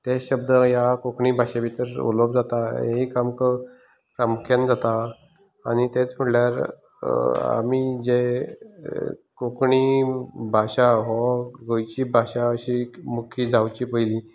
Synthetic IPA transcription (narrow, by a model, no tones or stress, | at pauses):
t̪eɕəb̚d̪əjakokɳibʱaɕabit̪əɾo̰ləbd͡zat̪aeikamkə | pɾamukʰjãnd͡zat̪a | añit̪et͡sm̤əɽljaɾ | a̰mid͡ze | kokɳibʱaɕaɦɔɡʱəjt͡ɕiːbʱaɕaəɕimukʰiːd͡zʱawt͡ɕiːpəili